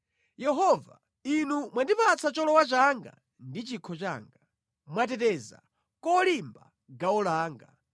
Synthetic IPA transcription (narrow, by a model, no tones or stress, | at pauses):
jɛɦɔva̰ | inumwandipat͡sʰat͡ʃɔlɔwat͡ʃaŋɡa̰ | ndit͡ʃikʰɔt͡ʃa̰ːŋɡa | mwat̬ɛtɛza̰ | kɔlimba | ɡaɔlaːŋɡa̰